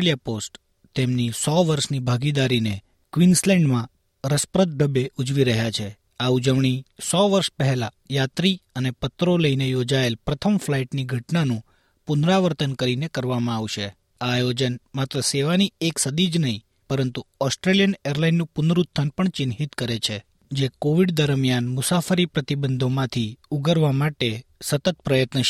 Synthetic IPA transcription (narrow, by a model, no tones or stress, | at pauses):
lijaposʈ | t̪emnisɔʋəɾʃnibʱaɡid̪aɾine | kʋinslɛ̃ɳɖmã | ɾəspɾət̪̚ɖəbeud͡ʒʋiɾəɦjat͡ʃʰe | aud͡ʒəʋɳ̃isɔʋəɾʃpəɦɛla | jat̪ɾiənepət̪ɾoləinejod͡ʒaelpɾət̪ʰəmflaiʈniɡʱəʈnanũ | pʊnɾaʋəɾt̪ənkəɾinekəɾʋamãaʋʃe | aːjod͡ʒənmat̪ɾəseʋanieksəd̪id͡ʒnəɦĩ | pəɾənt̪uɔsʈɾelijəneɾlainːũpʊnɾut̪ʰːənpəɳt͡ʃɪnɦit̪kəɾet͡ʃʰe | d͡ʒekoʋiɖd̪əɾmijanmʊsafəɾipɾət̪ibənd̪ʱomãt̪ʰiuɡəɾʋamaʈesət̪ət̪̚pɾəjət̪nə